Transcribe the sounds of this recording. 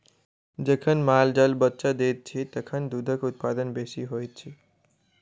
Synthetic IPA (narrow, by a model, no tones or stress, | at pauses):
d͡ʒəkʰənmaːld͡ʒəlbətːt͡ʃad̪et̪̚t͡ʃʰit̪əkʰənd̪ud̪ʱəkʊt̪̚pad̪ənbesiɦojt̪̚t͡ʃʰi